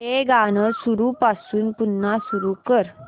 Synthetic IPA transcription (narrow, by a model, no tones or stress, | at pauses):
eɡanəsuɾuːpasuːnpunːasuɾukəɾ